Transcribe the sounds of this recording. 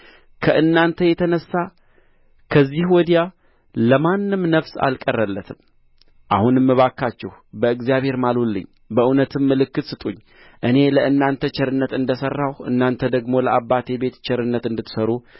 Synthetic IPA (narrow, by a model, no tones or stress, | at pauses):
kʰəʔɨnːant̪ʰəjɛt̪ʰənəsːa | kʰəzːihwɔd̪ija | ləmanːɨmnəfsa̰lkʼərːəlːət̪ʰɨm | ʔahunɨmːɨβakːat͡ʃːɛhbəɨɡzjaβhe̞ɾmalolːɨ̰ɲː | bəʔunət̪ʰɨmːɨlɨkːɨt̪sɨt̪ʼuɲː | ʔɨne̞ləɨnːant̪ʰət͡ʃʰɛɾɨnːət̪ɨnd̪əsərːawʔɨ̰nːant̪ʰəd̪əɡmo̞ləʔabːat̪ʰe̞be̞t̪t͡ʃɛɾɨnːət̪ɨnd̪ɨt̪ːɨ̥səɾu